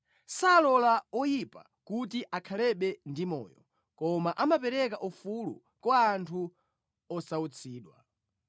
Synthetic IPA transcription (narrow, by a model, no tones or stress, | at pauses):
salɔlaɔjipa̰ | kut̬iʔakʰalɛɓɛndimɔ̰ːjɔ̰ | kɔmaʔamapɛɾɛkaʔufulṵ | kwaːntʰu | ɔsaut͡sʰiːɗwa